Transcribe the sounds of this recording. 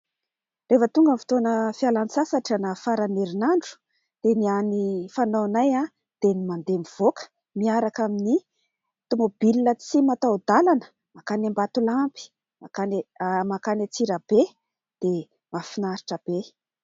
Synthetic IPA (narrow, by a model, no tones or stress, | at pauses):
refət̪uŋɡamfi̥t̪onəfialanisasaʈ͡ʂanafaɾaneɾinaɳɖ͡ʐu̥ | d̪̥enianifanawnaja | d̪̥enimand̪emiv̥okə̥ | miaɾakamini | t̪umobililət͡simat̪awd̪alanə̥ | makanambat̪ulampi̥ | makanmakanat͡siɾəb̥e | d̪̥e | mafinaɾiʈ͡ʂəb̥e